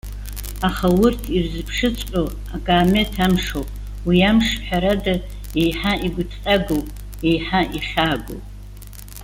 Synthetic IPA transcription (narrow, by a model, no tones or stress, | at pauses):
aχawʊrtʰirzɨpʰʂɨt͡sʼo | aɡaːme̞tʰamʂowpʼ | wiamʂħʷᶣaɾada | ejħaʔiɡʷʊtʰqʼaɡowpʼ | ejħaʔiχʲaːɡo̰wp